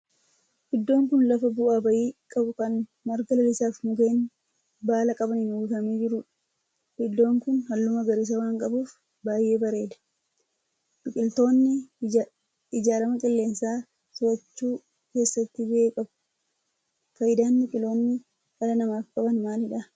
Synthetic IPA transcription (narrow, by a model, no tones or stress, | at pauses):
hɪd̪ːo̞ːŋkʊnlɐfɐbʊʔaːbɐʔiːkʼɐbʊkɐn | mɐɾɡɐlɐlɪsaːfmʊke̞ːn | baːlɐkʼɐbɐnhɪnuɡɪkɐmiːd͡ʒɪɾʊᶑ | bɪd̪ːo̞ːŋkʊnhɐlːʊmɐɡɐɾɪs̬ɐwaːŋkʼɐbuːf | baːjʔe̞ːbɐɾe̞ːd̪ɐ̥ | nʊkʼɪlt̪o̞ːnːɪ | ɪd͡ʒaːlɐmɐkʼɪlːe̞ːnsaː | sʊɐt͡ʃːuː | ke̞ːsːɐt̪ːɪbekʼɐb | fɐjɪd̪aːnbʊkʼɪlo̞ːnːɪ | ʔɐlɐnɐmaːfkʼɐbɐnmaːlɪᶑɐ